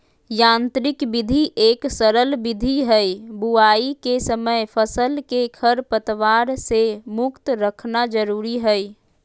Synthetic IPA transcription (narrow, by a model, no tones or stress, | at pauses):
jãnt̪ɾɪkbid̪ʱiʔeksəɾəlbid̪ʱiɦəjbuaikesəməjpʰəsəlkekʰəɾpət̪ʋaɾsemʊkt̪ɾəkʰnad͡ʒəɾuɾiɦəj